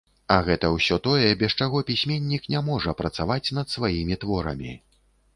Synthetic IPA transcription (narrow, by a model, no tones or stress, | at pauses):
ɐɣɛt̪ɐwsʲɔt̪ɔjɛbʲɛst͡ʂaɣɔpʲisʲmʲenʲːiknʲamɔʐɐpɾɐt̪savat͡sʲnɐt̪svajimʲit̪vɔɾɐ̰mʲi